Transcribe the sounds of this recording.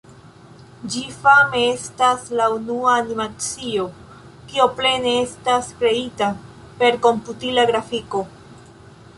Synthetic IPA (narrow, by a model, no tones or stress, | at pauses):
d͡ʒifame̞e̞staslaunuaːnimat͡sio̞ | kio̞ple̞ne̞e̞staskɾe̞ita | pe̞ɾko̞mputilaɡɾafiko̞